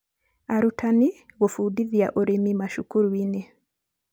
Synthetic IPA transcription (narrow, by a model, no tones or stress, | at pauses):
aɾutʰaniɣofuːdiðja̰ʔoɾemimaʃukuɾwine